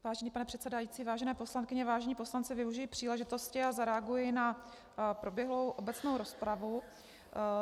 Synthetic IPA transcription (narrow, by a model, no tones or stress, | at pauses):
vaːʒɛniːpanɛpr̝̥ɛt̪sɛdajiːt͡siːvaːʒɛnɛːpo̞slankɪɲɛvaːʒɛɲiːpo̞slant͡sɪvɪuʒɪjɪpr̥iːlɛʒɪt̪o̞scɪazaɾɛaɡujɪna | pɾo̞bjɛɦlo̞wʔo̞bɛt͡snowɾo̞spɾavu